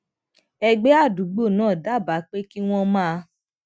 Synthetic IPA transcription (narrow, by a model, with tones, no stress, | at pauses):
ɛ˧ɡ͡be˦a˦˨du˨˦ɡ͡bo˦˨nãː˦˨da˦˨ba˨˦k͡pe˦ki˦w̃ɔ̃˦mãː˦˨˧